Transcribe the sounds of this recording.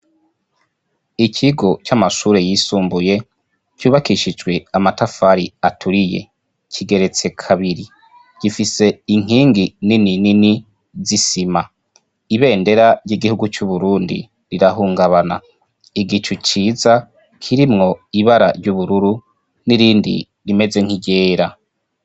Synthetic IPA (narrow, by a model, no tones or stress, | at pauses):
icʰiɡo̞t͡ʃamaʃuːɾe̞jisuːmbuje̞ | cuːβakiʃid͡ʒɡwe̞amatafaɾiatʰuɾije̞̰ | cʰiɡe̞ɾe̞t͡se̞kʰaβiɾi | ɟ̥ifise̞iŋ̥hiːŋɡinininini | zisima | iβe̞ːnde̞ɾaɾjiɡihuɡut͡ʃuβuɾuːndḭ | ɾiɾaɦuːŋɡaβana̰ | iɡit͡ʃut͡ʃiːza | kʰiɾimŋo̞iβaɾa̰ɾɟuβuɾuɾu | niɾiːndḭ | ɾime̞ze̞ŋ̥hiɟe̞ːɾa